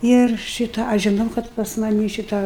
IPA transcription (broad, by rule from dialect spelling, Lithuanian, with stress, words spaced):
ɪr ˈʃʲɪtɑː ˈɐʃ ʒʲɪˈnɐʊ ˈkɐt pɐs mɐˈnʲiː ˈʃʲɪtɑː